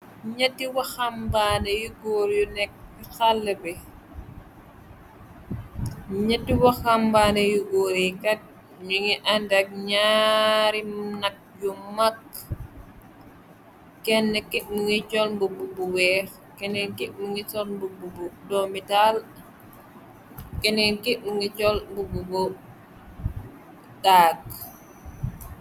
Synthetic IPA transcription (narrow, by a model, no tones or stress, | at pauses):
ɲɐtːiwɐxambanɛjuɡoːɾjunɛk̚xalːɛbɛ | ɲatːiwɐxambaːnɛjuɡoːɾikɐt̚ | ɲuŋiʔandak̚ɲaɾimnɐk̚jumak̚ | ɛnːəkiʔ̚muŋit͡ʃɔlmbububuwɛːx | kɛnɛnkiʔmuŋit͡ʃɔlmbububudɔmital | kɛnɛnkiʔmuŋit͡ʃɔlmbubuɡɔ | dak̚